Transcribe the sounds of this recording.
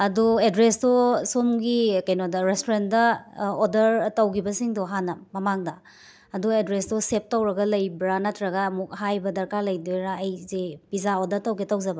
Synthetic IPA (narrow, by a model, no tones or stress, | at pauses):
ɐduedɾesdɔsomɡikɐjnodɐɾestoɾendɐodɐɾtɐwɡibɐsiŋdɔɦanɐmɐmaŋdɐ | ɐduedɾestɔsep̚tɐwɾɐɡɐlɐjbɾanatʰɾɐɡɐmuk̚ɦajbɐdɐɾkalɐjdojɾaːjzepizaodɐɾtɐwɡetɐwzɐbɐ